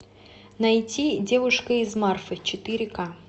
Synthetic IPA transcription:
nɐjtʲidʲe̞vʊʂkəɪzmarfɨt͡ɕɪt̪ɨɾʲɪka

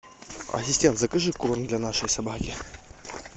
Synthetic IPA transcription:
ɐ̰sʲɪsʲtʲent̪zakɨʐɨkːulornd̪lʲanaʂəjsabakʲɪ

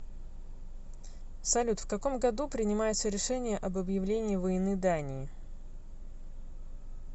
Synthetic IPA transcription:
sɐlʲut̪fkɐko̞mɡɐd̪upɾʲɪnʲɪmajɪt̪səɾʲɪʂɛnʲɪjəʔɐbəbjɪvlʲenʲɪːvəjɪnɨd̪anʲɪː

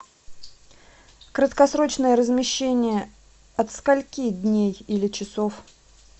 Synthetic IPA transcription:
kɾət̪kɐsɾo̞t͡ɕnəjəɾəzmʲɪɕːenʲɪjə | ɐt̪skɐlʲkʲid̪ʲnʲejilʲɪt͡ɕɪsof

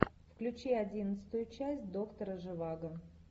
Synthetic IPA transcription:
fklʲʉt͡ɕiɐdʲinət̪sɨ̥t̪ʊjʊt͡ɕæsʲt̚ʲd̪o̞kt̪əɾəʐɨvaɡə

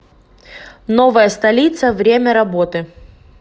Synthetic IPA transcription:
novəjəst̪ɐlʲit̪səvɾʲemʲɐɾɐbot̪ɨ

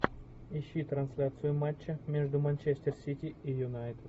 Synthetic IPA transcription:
ɪɕːit̪ɾɐnsʲlʲat̪sɨjʊmat͡ɕːəmʲe̞ʐd̪ʊmɐnʲt͡ɕesʲtʲɪrsʲitʲiijʊnajt̪

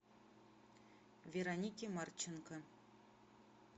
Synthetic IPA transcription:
vʲeɾonʲikʲimɑrt͡ɕːinkɑ

